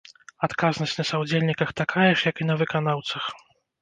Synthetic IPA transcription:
at̪kaznɐɕʲt͡sʲnɐsawd͡zʲelʲnʲikɐxt̪akʰajɛʂjɐkinɐvɨkanawt̪sɐx

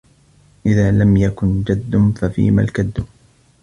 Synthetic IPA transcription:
ʔɪðaːlamjakʊnd͡ʒad̪ːʊnfafḭːma̰lkad̪ːʊ

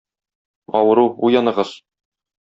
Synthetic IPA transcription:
ɒwɤ̆ɾuujɑnɤ̆ʁɤz̥

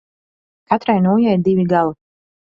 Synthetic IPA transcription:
kat̪ɾajnuːjajiɾd̪ivʲiɡalˠu

